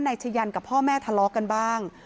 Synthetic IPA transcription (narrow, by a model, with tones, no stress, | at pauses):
naː˧t͡ɕʰa˧ja˧nka˨˩pʰɔː˥˩mɛː˥˩t̪ʰa˧lɔː˧˥ka˧nbaː˥˩ŋ